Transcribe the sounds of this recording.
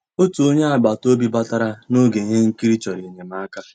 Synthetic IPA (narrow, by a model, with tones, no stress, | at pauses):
o˦tu˨o˦ɲe˦a˨ɡ͡ba˨to˦bi˦ba˦ta˦ɾa˦no˦ɡe˨ɦe˦ŋ̩˦ki˦ɾi˦t͡ʃɔ˨ɾi˨e˨ɲe˨ma˦ka˦